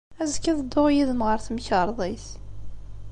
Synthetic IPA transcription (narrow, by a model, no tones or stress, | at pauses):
æzkːæðəd̪ːʊʁjiðənʁəɾθmçəɾˤðˤiθ